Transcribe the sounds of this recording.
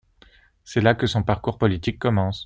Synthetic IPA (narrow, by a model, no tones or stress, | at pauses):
sɛlakəsɔ̃paʁkuʁpɔlit̪ikːɔmɑ̃s